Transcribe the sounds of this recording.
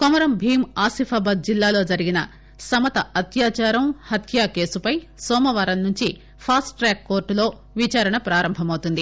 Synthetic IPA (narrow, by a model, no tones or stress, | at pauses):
kɔmɐɾɐmbʱiːmaːsipʰaːbɐd̪̚d͡ʒilːaːlo̞ːd͡ʒɐɾiɡinɐ̰ | sɐmɐt̪ɐɐt̪jaːt͡ʃaːɾɐmhɐt̪ʰjaːke̞ːsupɐj | sɔːmɐʋaːɾɐnnuɲt͡ʃi | pʰaːsʈʈːɾɛːkːo̞ːɾʈulo̞ː | ʋit͡ʃaːɾɐɳɐpɾaːɾɐmbʱɐmɐwut̪und̪i